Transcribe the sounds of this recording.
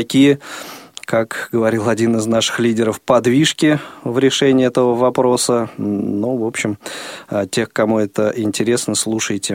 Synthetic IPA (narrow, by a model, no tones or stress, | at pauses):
ɐkʲijə | kakɡəvɐɾʲilˠɐdʲinɨznaʂɨ̥xlʲidʲɪɾəfpɐd̪vʲiʂkʲɪvɾʲɪʂɛnʲɪːɛt̪əvəvɐpɾo̞sənuvo̞pɕːɪm | tʲe̞xkɐmuɛt̪əʔɪnʲtʲɪɾʲesnəslˠuʂəjtʲɪ